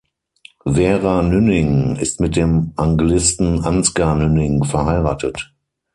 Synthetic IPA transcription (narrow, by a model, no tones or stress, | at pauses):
vɛːʁanʏnɪŋɪstmɪt̚d̥eːmʔaŋɡlɪstn̩anskanʏnɪŋfɛɐhaɪʁaːtət